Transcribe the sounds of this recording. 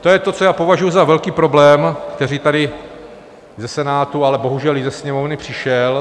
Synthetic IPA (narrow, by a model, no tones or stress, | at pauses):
t̪ojɛt̪o̞t͡sojaːpo̞vaʒujuzavɛlkiːpɾo̞blɛːmkt̪ɛɾiːt̪adɪ | zɛsɛnaːt̪ualɛbo̞ɦuʒɛlɪzɛsɲɛmo̞vnɪpr̥ɪʃɛl